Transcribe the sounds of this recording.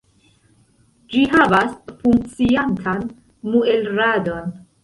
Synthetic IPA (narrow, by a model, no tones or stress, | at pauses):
d͡ʒiɦavasfuŋk̚t͡siantʰan | muelɾado̞n